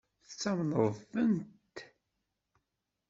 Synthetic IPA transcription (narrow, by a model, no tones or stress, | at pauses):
θt͡sːæmnəðˤənt̪